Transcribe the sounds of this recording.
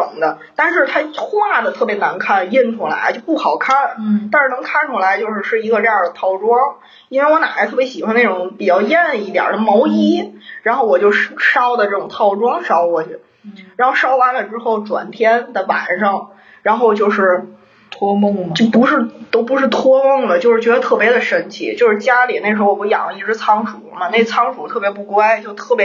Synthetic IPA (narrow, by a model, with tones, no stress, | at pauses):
ʊ˨˩ŋd̪ə˦ | t̪a˥˧nʂɻ̩˥˧t̪ʰa˥t̪ʰwɔ˥ma˥˩d̪ə˩t̪ʰɤ˥˩pjɛ˧˥na˧˥nkʰa˥˩nji˥˩nʈ͡ʂʰu˥la̰˧˥ɪt͡ɕo˥˧ʊpu˥˩xɑ˨˩ʊkʰa˥nt̪a˥˧nʂɻ̩˥˩nɤ˧˥ŋkʰa˥nʈ͡ʂʰu˥la˧˥ɪt͡ɕjo˥˧ʊʂɻ̩˥˧ʂɻ̩˥˩i˧˥ɡə˧ʈ͡ʂɤ˥˧jɑ˥˩d̪ə˩t̪ʰɑ˥˩ʊʈ͡ʂwɑ˥ŋ | i˥nwe˥˩ɪwɔ˧˥na̰˨˩xa˧˥ɪt̪ʰɤ˥˩pjɕi˨˩xwa˥ne˥˩ʈ͡ʂʊ˧˥ŋpi˨˩t͡ɕjɑ˥˧ʊjɛ˥˧n˧i˥˩jɑ̰˨˩˥ə˧˥mo˧˥ʊi˥ɻa˧˥nxo˥˩ʊwɔ˨˩t͡ɕjo˥˧ʊʂ̩˥ʂɑ˥ʊd̪ə˨ʈ͡ʂɤ˥˩ʈ͡ʂʊ˨˩ŋt̪ʰɑ˥˩ʊʈ͡ʂwɑ˥ŋʂɑ˥ʊkwɔ˧˥˩t͡ɕɛ˧˩ | ɻa˧˥n˥xo˥˩˧ʊʂɑ˥ʊwa˧˥nlə˨ʈ͡ʂɻ̩˥xo˥˩ʊʈ͡ʂwa̰˨˩nt̪ʰjɛ˥nd̪ə˨˩wa̰˨˩nʂɑ˥˩ŋ | ɻa˧˥nxo˥˧ʊt͡ɕjo˥˧ʊʂɻ̩˥˩ | t̪ʰŋt͡ɕo˥˩pu˧˥ʂɻ̩˥˩t̪o˥ʊpu˧˥ʂɻ̩˥˩t̪ʰwɔ˥mɤ˥˩ŋlə˩t͡ɕjo˥˧ʊʂɻ̩˥˩t͡ɕɥɛ˧˥d̪ə˧t̪ʰɤ˥˩pjɛ˧˥d̪ə˧ʂə˥nt͡ɕʰḭ˧˩t͡ɕjo˥˧ʊʂɻ̩˥˩t͡ɕja˥li˨˩n˥˩ʂɻ̩˧˥wɔ˨˩pu˧˥˩jɑ̰˨˩ŋ˧i˥˧ʈ͡ʂɻ̩˥t͡sʰɑ˥ŋʈ͡ʂʰṵ˨˩˦mɐ˧ne˥˩t͡sʰɑ˥ŋʈ͡ʂʰu˨˩t̪ʰɤ˥˩pjɛ˧˥pu˥˩kwa˥ɪt͡ɕjo˥˧ʊt̪ʰɤ˥˩pj